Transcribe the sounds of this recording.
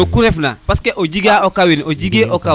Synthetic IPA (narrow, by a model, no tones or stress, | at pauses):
okuɾefna̰paskeʔod͡ʒiɡaokawinoɟiɡeʔoka